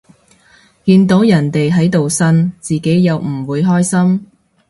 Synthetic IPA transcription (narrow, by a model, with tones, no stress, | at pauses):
kiː˧nt̪o˨˥wjɐ˨˩nt̪e˨jɦɐ˨˥jt̪o˨wsɐ˥nt͡siː˨˩ke˨˥jːɐ˨˧wm̩˨˩wuː˨˧jɦɔː˥jsɐ˥m